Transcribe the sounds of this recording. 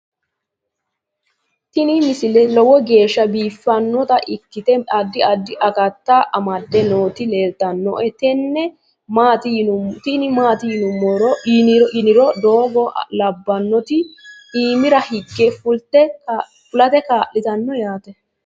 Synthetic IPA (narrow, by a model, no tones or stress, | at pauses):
t̪ɪnɪmɪsɪlɛlɔwɔɡe̞ːʃːɐbiːfːɐnːɔt̪ɐʔɪkːɪt̪ɛɐd̪ːɪɐd̪ːɪʔɐkɐt̪ːaʔɐmɐd̪ːɛnoːt̪ɪle̞ːlt̪ɐnːɔ̰ʔɛt̪ɛnːɛ | maːt̪ɪt̪ɪnɪmaːt̪ɪjɪnʊmːɔɾɔɪnɪɾɔd̪oːɡɔlɐbːɐnːɔt̪ɪiːmɪɾɐhɪɡːɛfʊlt̪ːɛ | fʊlɐt̪ɛkaːʔɪt̪ɐnːɔjaːt̪ɛ